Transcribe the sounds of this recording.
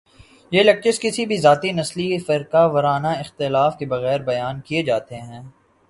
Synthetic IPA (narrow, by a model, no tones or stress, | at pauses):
jeːlɐk̚t͡ʃɪʃkɪsibʱizaːt̪inɐslifɪɾkaʋɐɾaːnaɪxt̪ɪlaːfkebɐɣɛːɾbɐjaːnkied͡ʒaːt̪eɦɛ̃ː